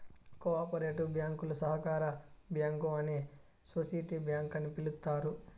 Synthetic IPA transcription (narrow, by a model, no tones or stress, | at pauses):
koaːpɐɾeːʈubjaːŋkulɐsɐɦɐkaːɾɐbjaːŋkuɐneː | soːsɐjʈiːbjaːŋkɐnːipilut̪ːaːɾu